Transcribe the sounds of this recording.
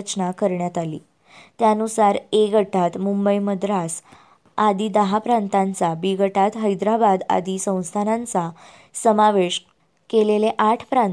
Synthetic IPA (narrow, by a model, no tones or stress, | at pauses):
t͡ɕnakəɾɳjat̪alḭː | t̪jaənusaɾeɡəʈʰat̪mumbəjməd̪ɾas | ad̪iːd̪əɦapɾant̪ant͡sabiɡʱəʈat̪ɦəjd̪ɾabad̪a̰d̪isə̃w̃st̪ʰanant͡sa | səmaʋeɕ | keleleʔaʈʰpɾan